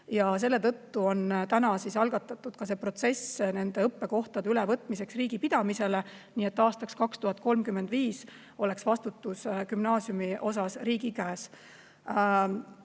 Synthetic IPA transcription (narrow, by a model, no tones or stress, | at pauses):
jɑs̬e̞lːet̪ɤ̞t̪ːuo̞nt̪ænɑsisɑlɡ̥ɑt̪ːˑɑt̪ːˑud̪̥̚kɑse̞pro̞t̪se̞sne̞nd̪̥e̞ɤpːe̞ko̞ht̪ɑd̪eylɛvɤt̪ːˑmise̞ksriːɡ̥ipid̪̥ɑmise̞le̞ | niːe̞t̪ːɑːst̪ɑkskɑkst̪uɦɑt̪̚ːˑko̞lmkymːe̞nd̪viːs | o̞le̞ksvɑst̪ut̪ːˑuskymnɑːsjumiʔo̞sɑsriːɡikæːs